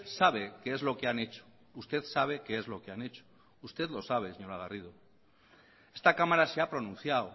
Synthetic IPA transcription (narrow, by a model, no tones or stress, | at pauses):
saβe̞keezlo̞keane̞t͡ʃo̥ | ust̪e̞θsaβ̞e̞kee̞zlo̞keane̞t͡ʃo̥ | ust̪e̞ðlo̞saβ̞e̞seɲo̞ɾaɣ̞arið̞o̞ | e̞st̪akamaɾaseapɾo̞nũnθjaw